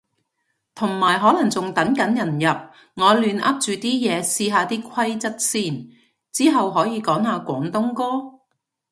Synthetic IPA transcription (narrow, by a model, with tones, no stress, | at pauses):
t̪ʰʊ˨˩ŋmaː˨˩jɦɔː˨˥lɐ˨˩ŋt͡sʊ˨ŋt̪ɐ˨˥ŋkɐ˨˥njɐ˨˩njɐ˨p̚ | ŋɔː˨˧lyː˨˧nʔɐ˥p̚t͡ʃyː˨t̪iː˥jɛː˨˧siː˧ɦaː˨˧t̪iː˥kʷʰɐ˥jt͡sɐ˥t̚siː˥˩n | t͡siː˥ɦɐ˨wɦɔː˨˥jiː˨˧kɔː˨˥ŋɦaː˨˧kʷɔː˨˥ŋt̪ʊ˥ŋkɔː˥